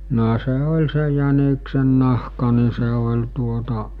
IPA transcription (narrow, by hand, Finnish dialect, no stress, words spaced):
no se olʲ se jæniksenːɑhkɑ ni se olʲ tuotɑ